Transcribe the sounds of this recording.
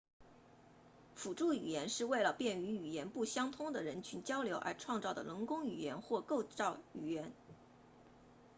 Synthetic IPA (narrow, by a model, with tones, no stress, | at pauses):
fu˨˩ʈ͡ʂu˥˩y˨˩jɛ˧˥nʂɻ̩˥˧we˥˩ɪlə˩pjɛ˥˩ny˧˥y˨˩jɛ˧˥npu˥˩ɕjɑ˥ŋt̪ʰʊ˥ŋd̪ə˨ɻə˧˥nt͡ɕʰy˧˥nt͡ɕjɑ˥ʊljo˧˥ʊʔə̰˞˧˥ʈ͡ʂʰwɑ˥˧ŋt͡sɑ˥˩ʊd̪ə̰˩lə˧˥ŋkʊ˥ŋy˨˩jɛ˧˥nxwɔ˥˧ko˥˧ʊʈ͡ʂɑ˥˩ʊy˨˩jɛ˧˥n